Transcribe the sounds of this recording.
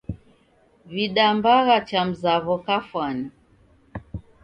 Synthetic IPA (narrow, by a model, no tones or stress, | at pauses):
viɗambaɣat͡ʃam̩zaβɔkafwani